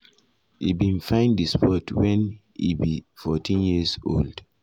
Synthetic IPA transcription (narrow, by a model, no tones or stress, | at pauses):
ḭbĩnfãɪ̃ndispɔtʰwɛ̃n | ḭbifɔtʰĩnjiso̰ld̥